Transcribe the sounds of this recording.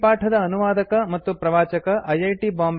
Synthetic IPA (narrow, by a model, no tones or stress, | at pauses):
paːʈʰɐd̪ɐːnuʋaːd̪ɐkɐmɐt̪ːupɾɐʋaːt͡ʃɐkɐʔɐjɐjʈibaːmb